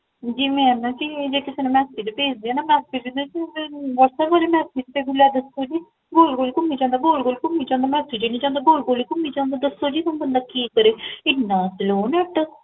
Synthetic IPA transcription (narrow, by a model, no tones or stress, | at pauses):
d͡ʒiːmɛ̃ːnãːt͡ʃid͡ʒeːkɪseːnẽːmɛːsid͡ʒepeːd͡ʒd̪eɛːnaːmɛːsed͡ʒid̪et͡ʃiʋəɾsɛːbʋaːleːmɛːsit͡ʃt̪eːɡʊlːɛːd̪əsːoːd͡ʒiː | ɡoːlɡoːlikʊmːiːd͡ʒãːnd̪aːɡoːlɡoːlkʊmːiːd͡ʒãːnd̪aːmɛːseːd͡ʒeːnĩːd͡ʒãːnd̪aːɡoːlɡoːlikʊmːiːd͡ʒãːnd̪aːd̪əsːoːd͡ʒiːt̪əmbənd̪aːkiːkəɾeːɪnːãːsloːnɛəʈːə